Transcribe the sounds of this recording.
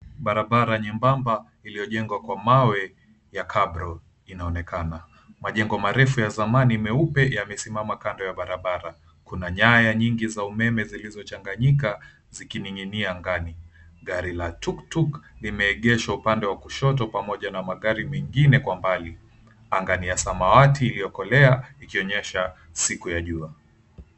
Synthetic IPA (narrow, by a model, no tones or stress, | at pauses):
ɓaɾaɓaɾaɲɛmbamba | ilijɔʄɛŋɡwakwamawɛ | jakʰaɓɾɔ | inaɔnɛkana | maʄɛŋɡɔmaɾɛfujazamaniːmɛupɛjamɛsimamakandɔjaɓaɾaɓaɾa | kunaɲajaɲiŋɡizaumɛmɛzilizɔt͡ʃaŋɡaɲika | zikiniŋiniaŋɡani | ɠaɾilatuktuklimɛːɠɛʃaupandɛwakuʃɔtɔpamɔʄanamaɠaɾimɛŋɡinɛkwambali | aŋɡaniasamawatiːliɔkɔlɛaikiɔɲɛʃa | sikujaʄua